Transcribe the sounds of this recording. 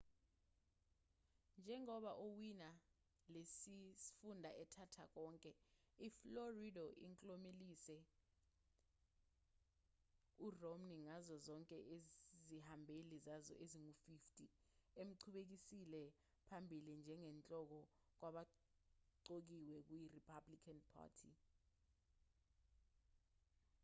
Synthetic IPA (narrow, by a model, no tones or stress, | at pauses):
nd͡ʒʱɛŋɔɓaʔowina | lesifundʱaʔɛtʰatʰak̬ɔːŋkʼɛ | ifloridɔʔḭŋkʼlomelisɛ | uromniŋazɔzɔŋkʼɛʔezihambʱelizazɔ̰ʔeziŋufiftʼiem̩ǀʰuɓek̬isilɛ | pʰambʱilind͡ʒʱɛŋɛnt͡ɬʼɔk̬ɔk̬waɓa | ǀok̬iwɛk̬ujiripʰablikʰanpʰa̰ːtʰḭ